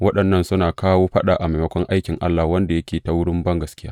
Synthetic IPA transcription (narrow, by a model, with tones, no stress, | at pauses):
wɐ˦ɗɐ˨nːɐ˦˨nsʊ˦naː˨kaː˦woː˦ɸɐ˦ɗaː˨ʔa˨ma˨jmɐ˦kʷɔ˦ŋʔa˦jkʲɪ˨ŋʔa̰˦lːa˨wɐ˦nda˨jɐ˦kʲeː˨ta˦wʊ˦ɽɪ˦mbɐ˦ŋɡɐ˨skʲɪ˦ja̰ː˦